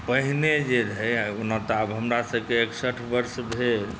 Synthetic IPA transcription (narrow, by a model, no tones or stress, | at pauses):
pəɦined͡ʒeɾɦəjonət̪abɦəmɾasəbkeːksəʈʰbəɾsbʱel